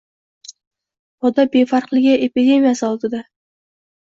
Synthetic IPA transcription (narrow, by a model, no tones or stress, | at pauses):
ɒd̪abe̞faɾqlˠɪɡʲɪʔepid̪ʲe̞mijasɪɒlˠd̪ɪd̪a